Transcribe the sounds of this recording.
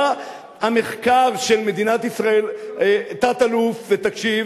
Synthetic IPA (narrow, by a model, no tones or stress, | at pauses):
hame̞χkaʁʃe̞lme̞d̪inat̪isʁaelat̪at̪alufvet̪akʃiv